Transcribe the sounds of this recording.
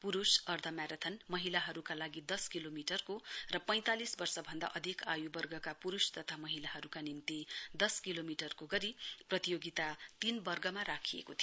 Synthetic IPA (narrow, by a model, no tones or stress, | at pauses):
puɾusʌrd̪ʱʌmaɾʌt̪ʰʌnmʌɦilaɦʌɾukalaɡid̪ʌskilomiʈʌrkorʌpʌj̃t̪alisbʌrsʌbʱʌnd̪a̰ʔʌd̪ʱikajubʌrɡʌkapuɾust̪ʌt̪ʰamʌɦilaɦʌɾukanint̪id̪ʌskilomiʈʌrkoɡʌɾiprʌt̪ijoɡit̪at̪inbʌrɡʌmaɾakʰijḛkot̪ʰi